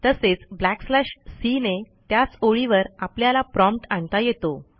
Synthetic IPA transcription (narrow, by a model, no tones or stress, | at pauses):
t̪əset͡sblækslaɕsinet̪jat͡soɭiʋəɾapljalapɾɔ̃mpʈaɳt̪ajet̪o